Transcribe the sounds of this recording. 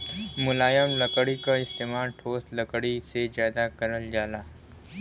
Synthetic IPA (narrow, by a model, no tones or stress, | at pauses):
mʊlaːjəmləkəɽikaɪst̪eːmaːɾʈʰoːst̪lɐkɽisezjaːd̪akɐɾəld͡ʒaːlaː